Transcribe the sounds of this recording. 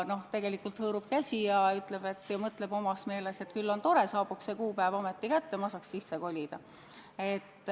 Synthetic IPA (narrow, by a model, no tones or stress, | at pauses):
no̞ht̪e̞ɡe̞likːˑult̪hɤːɾub̥̚kæsʲijɑyt̪ˑle̞b̥e̞t̪ːˑjɑmɤt̪le̞b̥o̞mɑsme̞ːlese̞t̪kylːo̞nt̪o̞ɾe̞sɑːb̥ukssekuːpævomet̪ːikæt̪ːemɑsɑkssisːeko̞lʲid̪̥ɑ | e̞t̪ːˑ